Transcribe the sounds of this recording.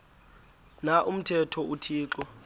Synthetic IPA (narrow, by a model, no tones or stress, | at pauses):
naʔum̩tʰɛtʰɔutʰiːǁɔ